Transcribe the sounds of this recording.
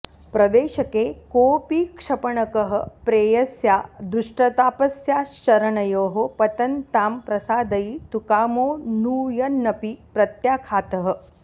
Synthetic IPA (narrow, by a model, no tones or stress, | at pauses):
pɾɐʋeːɕɐkeːkoːpiːkʂɐpəɳɐkəɦə̆pɾeːjɐsjaːd̪ɾuʂʈɐt̪aːpɐsjaːʃt͡ʃɐɾɐɳɐjoːɦopɐt̪ɐnt̪aːmpɾɐsaːd̪ɐit̪ukaːmoːnuːjɐnːɐpipɾɐt̪jaːkʰaːt̪ɐɦə̆